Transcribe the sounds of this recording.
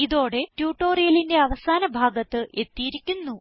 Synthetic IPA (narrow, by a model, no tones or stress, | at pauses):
iðo̞ːɽe̞tjuːʈːo̞ːrijɐlinde̞ɐʋɐsaːnɐbʱaːɡɐt̪ːɨʔe̞t̪ːijiɾikʲːunːu